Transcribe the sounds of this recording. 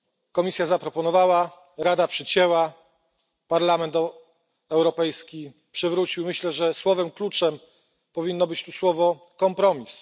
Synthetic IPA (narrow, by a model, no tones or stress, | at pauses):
kɔmʲisʲjazapɾɔpɔnɔvawa | ɾad̪apʂɘt͡ɕɛwa | paɾlamɛnt̪ | ɛwɾɔpɛjskʲi | pʂɘvɾut͡ɕiwmɘɕlɛʐɛswɔvɛmklut͡ʂɛm | pɔvʲinːɔbɘt͡ɕt̪uswɔvɔ | kɔmpɾɔmʲis